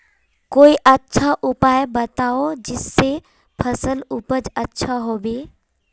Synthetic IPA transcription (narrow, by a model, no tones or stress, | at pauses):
koːiʔətːʃʰaʔʊpaːjbət̪aod͡ʒɪsːe | pʰəsəlʊpəd͡ʒətːʃʰaɦoːbeː